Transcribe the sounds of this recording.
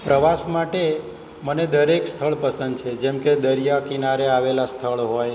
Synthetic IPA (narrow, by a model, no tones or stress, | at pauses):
pɾəʋasmaʈe | məned̪əɾekst̪ʰəɭpəsə̃nd̪t͡ʃʰed͡ʒɛmked̪əɾijakinaɾeaʋelast̪ʰəɭɦoj